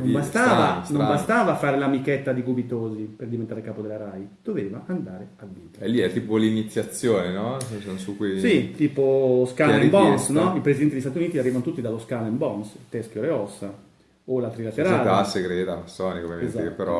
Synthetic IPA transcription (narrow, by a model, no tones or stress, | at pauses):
nõmbasst̪aːvanombast̪aːvafaːɾelamikɛt̪ːad̪iɡubit̪oːziperd̪ivent̪aɾekaːpod̪elaɾajd̪̥oveːvaʔand̪aːɾeavːiːt̪aɛlːiɛt̪ːiːpolinit̪sːjat̪sːjoːnenɔssonsukːwisit̪iːposkalmbɔnsnɔipɾezid̪ɛnd̪eist̪at̪juniːt̪iarːiːvanot̪ut̪ːid̪aloskalɛmbɔnst̪ɛskjoɾeɔsːa | olat̪ɾilat̪eɾaːlasːeɡɾɛt̪amasːɔːnikovjameenzaekepːeɾɔ